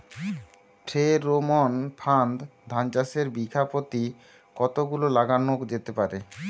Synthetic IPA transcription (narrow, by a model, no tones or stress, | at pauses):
ʈʰeɾomonpʰand̪d̪ʱant͡ɕaseɾbikʰapot̪i | kɔt̪oɡulolaɡanokd͡ʑet̪epaɾe